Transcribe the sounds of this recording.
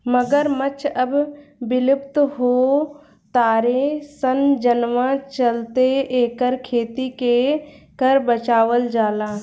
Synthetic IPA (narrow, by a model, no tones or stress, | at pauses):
məɡəɾmət͡ʃʰəbbɪlɪpt̪ɦoː | t̪aːɾesənd͡ʒənʋãt͡ʃəlt̪eeːkəɾkʰeːt̪ikekəɾbət͡ʃaːʋəld͡ʒaːlãː